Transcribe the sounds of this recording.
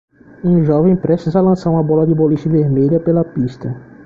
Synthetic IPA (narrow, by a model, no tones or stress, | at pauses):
ũʒɔvẽj̃pɾesizalɐ̃saɾũmɐbɔlɐd̪ɪboliʃɐ̃veɾmeʎɐpelɐpiʃt̪ɐ